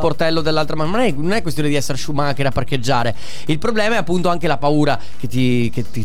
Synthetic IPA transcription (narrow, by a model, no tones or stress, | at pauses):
port̪ɛlːod̪elːalt̪ɾamanmanɛnonɛkwest̪joːned̪iɛsːeɾʃumakeɾapːarked͡ʒːaːɾe | ilpɾoblɛːmaɛapːunt̪oaŋkelapauːɾa | k̟et̪ːi | ket̪ːi